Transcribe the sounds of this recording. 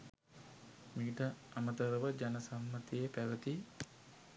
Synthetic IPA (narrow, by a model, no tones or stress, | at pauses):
miiʈəamət̪əɾəʋəd͡ʒanɐsamːət̪ijəpæʋət̪i